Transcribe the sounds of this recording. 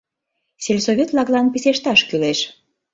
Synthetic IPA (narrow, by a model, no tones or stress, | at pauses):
selʲsoβʲet̪lɑklɑnpiseʃt̪ɑʃkyleʃ